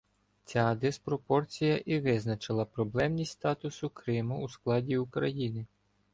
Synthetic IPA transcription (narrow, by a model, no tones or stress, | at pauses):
t͡sʲɑd̪espɾɔpɔrt͡sʲijɐʔiʋɪznɐt͡ʃɪlˠɐpɾɔblˠɛmnʲisʲst̪ɑt̪ʊsʊkɾɪmʊusklˠɑdʲiukɾɐjinɪ